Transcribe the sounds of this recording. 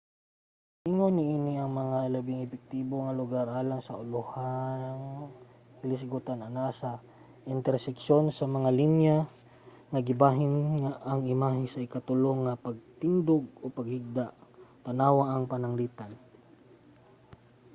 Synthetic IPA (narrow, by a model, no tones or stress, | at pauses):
ʔɪŋonɪʔiːnɪʔɐŋmɐŋalɐbɪŋɛpɛk̚t̪iːboŋɐlʊɡaɾʔaːlaŋsɐʔʊlohaŋ | hɪlɪsɡʊt̪anɐnasɐ | ʔɪnt̪ɛɾsɛkʃo̞nsɐmɐŋalinja | ŋɐɡɪbaːɦɪnŋaʔːŋɪmaːɦɪsɐʔɪkat̪ʊloŋːɐpɐɡ̚t̪ɪnd̪oɡ̚o̞pɐɡ̚hɪɡ̚d̪aʔt̪ɐnaːwaʔɐŋpɐnɐŋliːt̪an